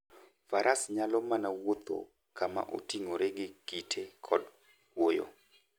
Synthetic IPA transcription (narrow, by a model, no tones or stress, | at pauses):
faɾʔasɲalɔmanawot̪o̰ | kʰama̰ʔo̰tiŋoɾeɡɪkitʰekʰɔd | wojo̰